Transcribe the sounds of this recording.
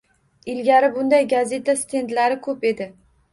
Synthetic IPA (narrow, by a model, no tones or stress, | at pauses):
ɪlɡʲaɾɪbʊnd̪ajɡaze̞t̪ʰast̪ʰe̞nd̪laɾɪkʰɵpe̞d̪ɪ